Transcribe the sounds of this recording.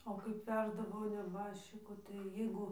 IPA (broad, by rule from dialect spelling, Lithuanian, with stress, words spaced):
oː kɐɪp ˈʋʲæːʒdɐʋoː nʲɛˈbɑːʃʲt͡ʃʲɪkoː tɐɪ jɪˈɡʊ